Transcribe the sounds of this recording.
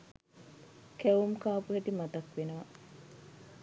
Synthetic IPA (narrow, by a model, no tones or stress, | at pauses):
keʋumkaːpuɦeʈimɐt̪ɐkʋenuʋɐ